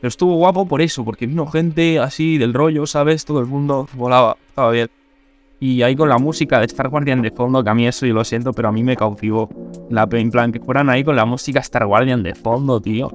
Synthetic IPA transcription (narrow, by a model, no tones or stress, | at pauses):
peɾost̪uβoɣwapo̞po̞ɾe̞so̞po̞ɾke̞βino̞xe̞nt̪e̞asiðe̞lro̞ʝosaβ̞est̪oðelmũnd̪oβo̞laβaest̪aβaβje̞n | iaiko̞nlamusikaðest̪aɾɣwaɾðjand̪efo̞nd̪o̞keamie̞sojolo̞sje̞nt̪ope̞ɾoamĩme̞kawt̪iβ̞o̞lapeemplaŋke̞fwe̞ɾanaikonlamusikaest̪a̰ɾɣwaɾðjand̪efo̞nd̪ot̪io̰